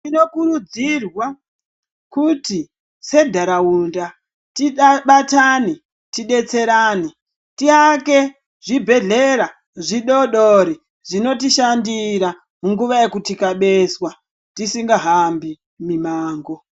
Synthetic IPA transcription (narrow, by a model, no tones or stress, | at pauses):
ino̞kuɾud͡zirwa | kuti | se̞dʱaɾaunda | tiɓatani | tiɗe̞t͡se̞ɾaːni | tiake̞ | ʐibʱe̞ɮe̞ɾa | ʐiɗo̞ɗoɾi | ʐino̞tiʃandiɾa | muŋɡuʋaje̞kutikaɓe̞swa | tisiŋɡaɦambi | mimaːŋɡo̞